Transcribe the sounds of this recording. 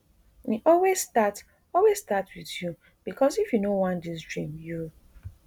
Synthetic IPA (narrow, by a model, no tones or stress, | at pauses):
niʔɔlwezstat | ɔlwez̥statwiðju | b̥ikɔzifjunowãndisdɹĩmju